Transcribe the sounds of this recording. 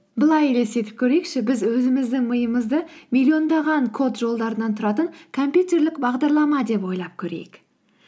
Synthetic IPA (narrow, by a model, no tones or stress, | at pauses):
bəlˠɑjle̞se̞t̪ɪp̚kʲʰɵɾe̞jkʃɪbɪzwɵzɪmɪzd̪ɪŋməjəməzd̪əmʲilʲːio̞nd̪ɑʁɑŋkʰo̞t̪ʒo̞lˠd̪ɑɾənɑnt̪ʰʊɾɑt̪əŋkʰo̞mpʲjut̪e̞ɾlɪkbɑʁd̪ɑɾlˠɑmɑd̪e̞pwo̞jlˠɑp̚kʲʰɵɾe̞̰jɪk